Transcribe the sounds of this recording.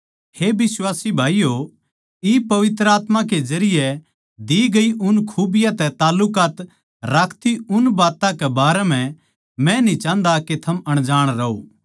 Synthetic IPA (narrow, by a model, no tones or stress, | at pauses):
hebɪswaːsibʱaːijo | ipɐʋɪt̪ɾəaːt̪mãked͡ʒɐɾɪjɛ | d̪iɡɐiʔʊnkʰuːbɪjãt̪ɛt̪aːlːʊkaːt̪ | ɾaːkʰt̪iʊnbaːt̪ãkɛbaːɾɛm̤ɛ̃ | mɛ̃nĩt͡ʃãːnd̪aket̪ʰɐmɐɽ̃d͡ʒaːɽ̃ɾɐo̰ː